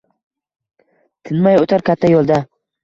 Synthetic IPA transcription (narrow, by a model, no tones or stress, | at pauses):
t̪ʰɪnmajot̪ʰaɾkʲʰat̪ʰːajolˠd̪a